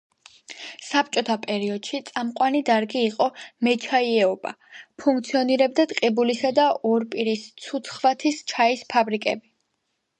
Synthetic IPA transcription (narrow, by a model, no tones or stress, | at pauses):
sap̚t͡ʃʼɔt̪ʰapʼɛɾiɔd̪̥ʃit̪sʼamqʼwanid̪aɾɡiːqʼɔmɛt͡ʃʰaiɛɔba̰ | pʰuŋk̚t̪sʰiɔniɾɛbd̪at̪ʼqʼibulisad̪aɔɾpʼiɾist̪sʰut̪sʰχvat̪ʰist͡ʃʰaispʰabɾikʼɛ̰bi